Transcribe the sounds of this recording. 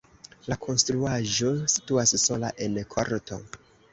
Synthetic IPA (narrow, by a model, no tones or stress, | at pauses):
lakʰo̞nstɾuaʒo̞si̥tuasso̞la̰ʔe̞nkʰo̰ɾtʰo̞̰